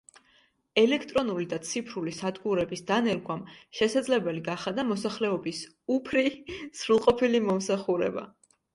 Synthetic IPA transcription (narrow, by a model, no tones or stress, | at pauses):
ɛlɛkʰt̪ʼɾɔnulid̪at̪sʰipʰɾulisad̪ɡuɾɛbisd̪anɛɾɡwamʃɛsad̪zlɛbɛliɡaχad̪amɔsaχlɛɔbis | upʰɾisɾulˠqʼɔpʰilimɔmsaχuɾɛ̰ba̰